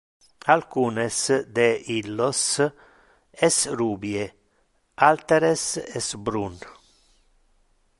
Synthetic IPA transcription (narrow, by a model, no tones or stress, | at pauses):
alkuːnesd̪eilːos | ɛsruːbje | alt̪eɾesɛsbɾun